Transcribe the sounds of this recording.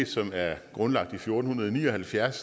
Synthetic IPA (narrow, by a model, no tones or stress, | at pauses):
d̥sɒ̽mæɐɡ̥ʁɔ̽nlɑ̈ɡ̥̚d̥ifjo̝ːd̥n̩hunɐð̞ˠɒnḭːɒhælfjæɐs